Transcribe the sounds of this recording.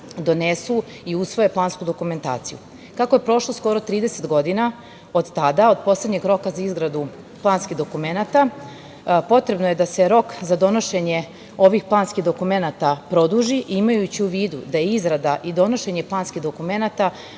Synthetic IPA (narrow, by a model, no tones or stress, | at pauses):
d̪o̞nesu | iusʋo̞je̞plˠaːnskud̪o̞kume̞nt̪a̰ːt̪sijṵ | kakoje̞pɾo̞ʃlˠo̞sko̞ɾo̞t̪ɾiːd̪ese̞t̪ɡo̞d̪ina | o̞d̪t̪ad̪ao̞d̪̚po̞slˠed̪ɲeɡɾo̞kazaizɡɾad̪u | plˠaːnskiɣd̪o̞kume̞nat̪a | po̞t̪ɾe̞bnoje̞d̪ase̞ɾo̞kzad̪o̞noʃe̞ɲe̞ | o̞ʋixplˠaːnskiɣd̪o̞kume̞nat̪apɾo̞d̪uʒiʔimajut͡ɕiuʋiːd̪ud̪ajeizɡɾad̪aʔid̪o̞no̞ʃeɲe̞plˠaːnskid̪o̞kume̞nat̪a